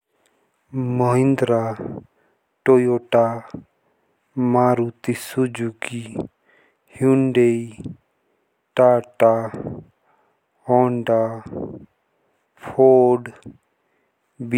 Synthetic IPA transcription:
məɦĩnd̪ɾa | ʈojoʈa | maːɾut̪isud͡ʒuɡi | hjuɳɖei | ʈaːʈa | ɔːɳɖa | pʰoːɖ | b

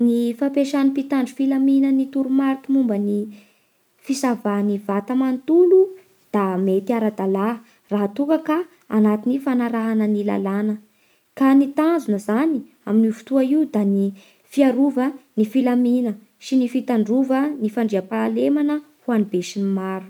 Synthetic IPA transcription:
nifapeʃanipit̪aɳɖ͡ʐufilaminənit̪uɾumaɾk̪imumbəni | fisavanivat̪amant̪ulu | d̪̥amet̪iaɾad̪ala | raɦat̪ukəka̰ː | nat̪inifanaɾaɦanənila̰lanə | kanit̪and͡zunəzani | aminivu̥t̪uaiud̪ani | fiaɾuvənifilaminə | sinifit̪aɳɖ͡ʐuvənifaɳɖ͡ʐiapaːlemanə | huanibeʃinimaɾu̥

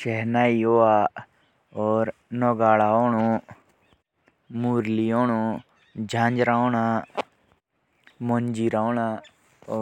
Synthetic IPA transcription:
ʃɛɦnaːioːaː | ɔːɾnɔɡaːɭaːoːnũ | muːɾlioːñũ | d͡ʒʱãːnd͡ʒɾaːonaː | mond͡ʒiːɾaːoːna | ɔː

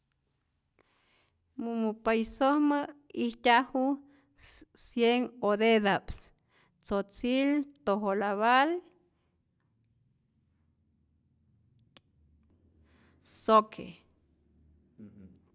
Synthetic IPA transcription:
mumupajsohməihtʲahu | sjeŋod̪ed̪aps | t͡sot͡silt̪oɦolaβal | sokʰḛ

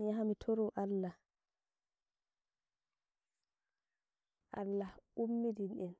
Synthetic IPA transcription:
jaɦamitʰoɾɔʔalːa | ʔa̰lːaumːidinɗɛn

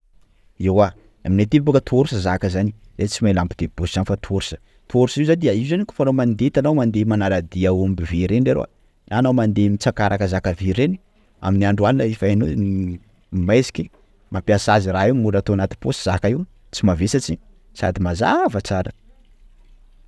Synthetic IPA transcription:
ewa | aminet̪iibokət̪ʰuoɾusəzakəzani | zet͡simailampid̪̥ebosisanifat̪ʰoɾusə̥ | t̪uoɾusizand̪iaiuzaniku̥fanomand̪et̪anamand̪emanaɾad̪iaumbiviɾenɖ͡ʐeɾo̰a̰ | anamand̪emit͡sakaɾʔakəzakaviɾeni̥ | a̰miniaɳɖ͡ʐuanilaifajnuni | majsi̥kʲi | mapiasaziraiwmulat̪oanat̪i̥posi̥z̥akaiw | t͡simavesat͡si | sa̰d̪imaza̰vət͡saɾə̰

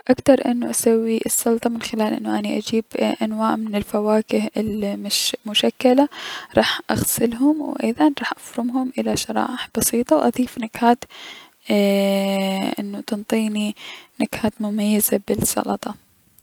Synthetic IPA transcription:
ʔakt̪ɑɾˤʔɪnːʊʔasawːiʔɪsːʊlt̪ˤɑmɪnxɪlaːlʔɪ̰nːʊʔaniʔad͡ʒiːbʔanwaːʔmɪnɪlfawaːkɪhɪlmmʊʃakːalaɾˤɑːħʔaɣsɪlɦʊmwʔɪðˤɑnɾˤɑːħʔafɾʊmɦʊmʔɪlaʃɑɾˤɑ̰ːʔɪħb̥ɑsiːt̪ˤɑwʔɑðˤiːfnakhaːt̪ː | ʔɪ̰nːʊt̪ɪnt̪ˤiːninakhaːt̪mʊmajːazabɪlsɑ̰lɑt̪ˤɑ

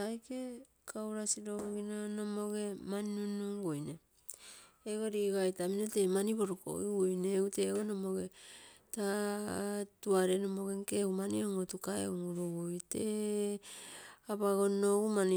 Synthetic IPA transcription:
ajke | kʰawɾasiɾoɡoɡinanomo̞ɡe̞maninunuŋɡojne | eɡoɾiɡajtaminotemaniβo̞ɾoko̰jɡojneuteɡonomoɡeta | tuaɾenomo̞ɡeŋkeumanioŋotukaḛuŋuɾuɡojte | aβaɡo̞noɡuman

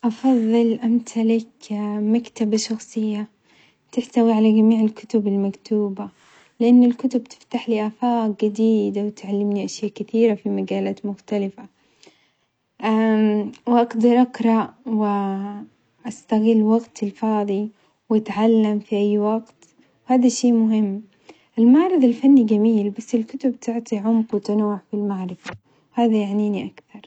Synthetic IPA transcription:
ʔɑfɑðˤːɨlʔamt̪ʰalɪkmakt̪abaʃɑxsˤɨjːa | t̪ɪħt̪awiʕalaɡamiːʕɪlkʊ̥t̪ʊbɪlmakt̪uːba | lɪʔanːɪlkʊt̪ʊbt̪ɪ̥ft̪aħliːʔafaːqɡɪd̪iːd̪awt̪ʕalːɪmniʔaʃjaːʔkɪθiːɾafimaɡaːlaːt̪mʊxt̪alɪfa | ʔawʔɑɡd̪ɑɾˤʔaqɾˤɑʔwɪ | ʔast̪aɣɪlːwɑɡt̪ɪlfɑːðˤi | wɪt̪ʕalːamfiʔajːwɑɡt̪ | haːd̪aʃeːmʊɦɪmː | ʔɪlmaʕɾˤɑðˤɪlfanːiɡamiːlbasːɪlkʊt̪ʊbt̪ʰɪʕt̪ˤiʕʊmqwɪt̪anuːʕfilmaʕɾˤɑða | haːðajaʕniːniʔakθɑɾˤ

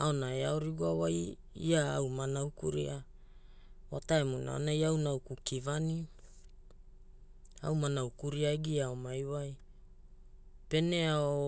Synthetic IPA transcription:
ao̞naeaoɾiɡuawaj | ḭaːwmanawkuɾḭa | wataemuna̰o̰najawnawkukivani | a̰wmanawkuɾiaeɡiaomajwaj | pe̞neao

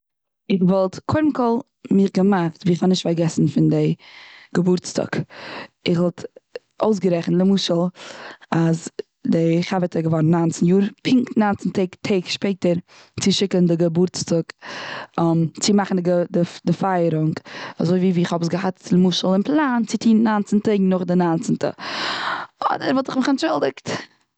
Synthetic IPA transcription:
ɪχvɔlˠtkʰʊɾm̩kɔlˠ | mɪχɡəmaχtviːɪχhɔnɪʃtfaɾɡɛsn̩fɪndɪɡ̥əbʊɾt͡sta̰k | ɪχvɔlˠt | oʊs̬ɡəɾɛχn̩lˠəmuːʃəlˠaz | dɪχavətʰəɡəvɔɾn̩ːant͡sn̩juːɾpʰɪŋktnant͡sn̩tʰeɪktʰeːkʃpeɪtəɾ | t͡sɪʃɪkəndɪɡəbʊɾt͡stʊk | ɔmt͡sɪmaχn̩dɡədɪdɪfaɪəɾʊŋka̰zoɪviːviːɪχhɔbəsɡəɦatt͡sɪlˠəmuːʃəlˠɪnplˠaːnt͡sɪtʰiːnnaːnt͡sn̩teɪɡŋnʊχdɪnaːnt͡səntə̰ | ɔ̰dəɾvɔlˠtɪχmɪχɛnt͡ʃʊlˠdɪkt

